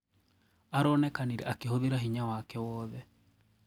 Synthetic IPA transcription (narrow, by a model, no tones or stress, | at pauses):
aɾɔnɛkaniɾɛʔakeɦoðeɾaɦiɲawakɛwɔːðɛ